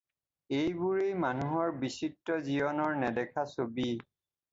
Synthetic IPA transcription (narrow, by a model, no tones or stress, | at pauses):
ejbuɹejmanuɦɔɹbisitːɔziɔnɔɹnɛdɛkʰasobi